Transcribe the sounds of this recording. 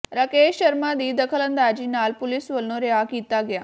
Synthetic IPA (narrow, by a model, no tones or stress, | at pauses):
ɾəkeɕɕəɾmad̪iːd̪əkʰələnd̪ad͡ʑinalpulisʋəlnoɾeakit̪aɡja